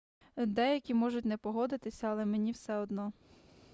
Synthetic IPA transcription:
d̪ɛjɐkʲimɔʒʊtʲnɛpɔɦɔd̪ɪt̪ɪsʲɐɐlˠɛmenʲiwsɛɔd̪nɔ

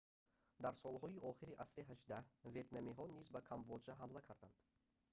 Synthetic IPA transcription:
d̪aɾsɔlˠɦɔiʔɔχiɾiʔasɾiɦaʒd̪ahve̞t̪namiɦɔnizbakʰambɔd͡ʒaɦamlakʰaɾd̪and̪̥

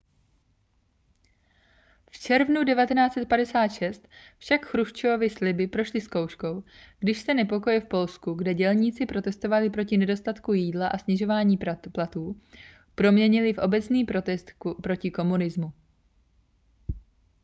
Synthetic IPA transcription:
ft͡ʃɛɾvnudɛvat̪ɛnaːt͡sɛt̪̚padɛsaːt̪ʃɛst̪fʃakxɾuʃt͡ʃoovɪslɪbɪpɾo̞ʃlɪskowʃko̞wɡ̥dɪʃsɛnɛpo̞ko̞jɪfpo̞lskuɡdɛɟɛlɲit͡sɪpɾo̞t̪ɛst̪o̞valɪpɾo̞cɪnɛdo̞st̪at̪kujiːdlaʔasɲɛʒo̞vaːɲiːplat̪uː | pɾo̞mɲɛɲɪlɪfʔo̞bɛt͡sniːp̪ɛst̪pɾo̞cɪko̞munɪzmu

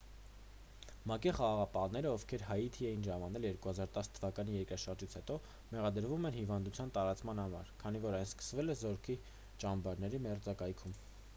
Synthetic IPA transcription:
mɑkiχɑʁɑʁɑpɑnɛɾəɔvkʰɛɾhɑjit̪ʰiɛjinʒɑmɑnɛljɛɾkuhɑzɑɾt̪ɑsə̥t̪ʰəvɑkɑnijɛɾkɾɑʃɑɾd͡ʒit͡sʰhɛt̪ɔ | mɛʁɑd̪əɾvumɛnhivɑnd̪ut͡sʰjɑnt̪ɑɾɑt͡smɑnhɑmɑ̰ɾkʰɑn̪ivɔɾɑjnskə̥svɛlɛzɔɾkʰi | t͡ʃɑmbɑɾnɛɾimɛrd͡zɑkɑjkʰum

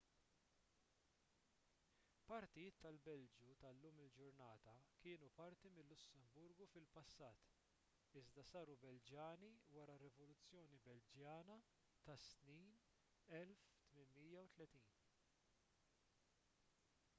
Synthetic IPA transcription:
pɐɾt̪ɪjɪːt̪ːɐlbɛld͡ʒut̪ɐlːuːmɪld͡ʒʊɾnɐːt̪ɐkɪːnupɐɾt̪imɪlːʊsːɛmbʊɾɡufɪlpɐsːɐːt̪ | ɪzd̪ɐsɐːɾubɛld͡ʒjɐːniwɐɾɐrːɛvɔlʊt͡sːjɔːnibɛld͡ʒjɐːnɐ | t̪ɐsniːn | ɛlft̪mɪnmiːjɐwt̪lɛt̪iːn

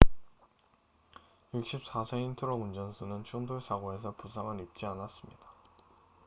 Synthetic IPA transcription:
juk̚ɕ͈ʰip̚s͈asʰeintʰɯɾʌɡund͡ʑʌns͈ʰunɯnt͡ɕʰuŋdoɭsʰaɡoe̞sʰʌpusʰaŋɯnip̚t͡ɕ͈ianas͈ɯmɲid̥a

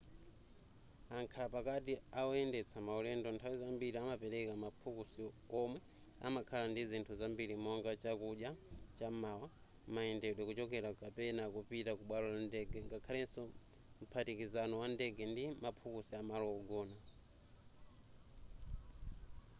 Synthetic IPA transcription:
aŋkʰapakatiaɔɛndɛt͡sʰamaɔlɛndɔntʰawizambiɾiamapɛɾɛkamapʰukusi | ɔmwɛ | a̰makʰalandizintʰuzambiɾimɔŋɡat͡ʃakuɗjat͡ʃamawa | maɛndɛɗwɛkut͡ʃɔk̬ɛɾakapɛnakupitakuɓwalɔlandɛɡɛŋɡakʰalɛnsɔ | m̩pʰatikizanɔwandɛɡɛndimapʰukusiamalɔɔɡɔːna

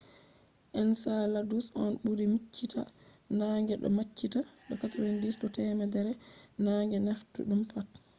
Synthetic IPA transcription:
ʔɛnsaladusɔnɓuɾimit͡ʃːita̰ | naːŋɡɛɗɔ̰mat͡ʃːitaɗɔkatɾɛndisɗɔtɛmɛdɛɾɛnaŋɡɛnaftṵɗumpat̚

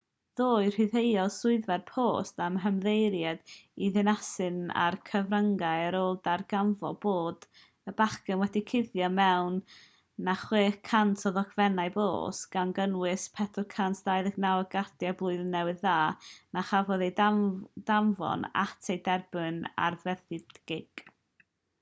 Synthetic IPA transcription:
ðoːɨr̥ɪðejɔsʊɨðvɛrpʰoːstamɦəmðejɾjad̥iðɨnasɨna̰rkʰəvrəŋɡajəɾoːlˠdarɡaɱvɔ̰boːd | əbakənwɛdikʰɪðjɔmɛwnː | aχweːkʰːantʰɔðɔkʰvɛnaɨbo̰ːsɡ̥anɡənwɪspʰɛdʊrkʰantʰd̥aːjðəɡnawɔɡardjablˠʊɨðnɛwɨðːaːnaχavɔðejdamvɔ̰na̰tʰejdɛrbɨna̰rvɛθɪdɡ̥ɪɡ̥

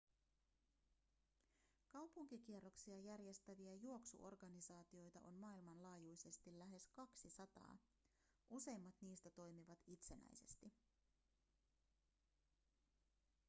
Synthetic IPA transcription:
kɑwpuŋkik̟ie̞rːo̞ksiɑjærje̞st̪æʋiæjuo̞ksṵʔo̞rɡɑnisɑːt̪io̞jt̪ɑ̰ʔo̞nmɑːilmɑnlɑːjujse̞st̪ilːæɦe̞skɑksisɑt̪ɑ̰ː | ʔuse̞jmːɑt̪niːst̪æt̪o̞jmiʋɑt̪it̪se̞næ̰jse̞̰st̪i

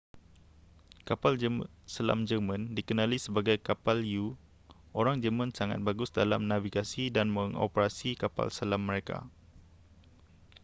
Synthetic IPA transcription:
kapalsəla̰md͡ʒəmãndikənãlisəbaɡajkapalju | ʔoɾaŋd͡ʒəmãnsaŋa̰t̪̚baɡʊsdalamnãviɡasidanməŋo̰pəɾasikapa̰lsəlamːəɾeka̰

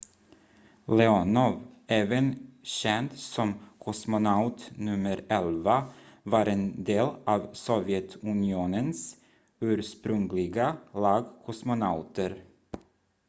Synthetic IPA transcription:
lɛɔnɔveːvənɕɛnt̪sɔmkʰɔsmʊnaʊt̪nɵmːəɾɛlvavɑːɾɛnd̪eːlɑːvsɔvɪɛt̪ʰɵnɪuːnəns | ʉ̟ːɾʂpɾɵŋlɪɡalɑːɡkʰɔsmʊnaʊt̪əɾ

